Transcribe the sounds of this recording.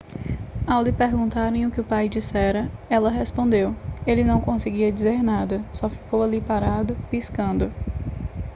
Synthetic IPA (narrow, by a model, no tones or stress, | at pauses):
awlɪpeɾɡũnt̪aɾẽj̃ʊkɪʊpajd͡ʒisɛɾɐɛlɐɦespõnd̪ewelɪnɐ̃w̃kõsɪɡiɐd͡ʒizeɾnad̪ɐsɔfi̥kowalipaɾad̪ʊpiskɐ̃nd̪ʊ